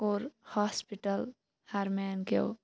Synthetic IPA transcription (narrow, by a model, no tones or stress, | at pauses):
oːɾhaːspiʈəl | haɾmenkḛw